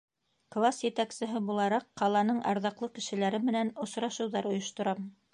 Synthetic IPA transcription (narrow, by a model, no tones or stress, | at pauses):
klˠasjɘ̆t̪æksɘ̆ɦɘbulˠɑɾɑqːɑlˠɑnɤɴʔɑ̰ɾðɑqlˠɤkɘ̆ʃɘ̆læɾɘmɘ̆nænŏsɾɑʃɤ̆wðɑɾŏjŏʃt̪ŏɾɑm